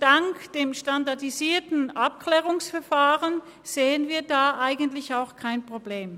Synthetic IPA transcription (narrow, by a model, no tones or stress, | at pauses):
d̥aŋkd̥eːmʃtandaɐdiziːɐtn̩ʔap̚kl̥ɛːʁʊŋsfɛɐfaːʁən | z̥eːənviːɐdaːʔaɪɡən̩tlɪçaʊxkʰaɪnpʁ̥obleːm